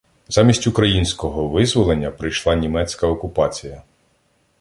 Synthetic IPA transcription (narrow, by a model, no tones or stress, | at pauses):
z̥ɑmʲisʲtʲʊkɾɐjinʲsʲkɔɦɔʋɪzʋɔlˠe̞nʲːɐpɾɪjʃlˠɑnʲimɛt͡sʲkɐɔkʊpɑt͡sʲijɐ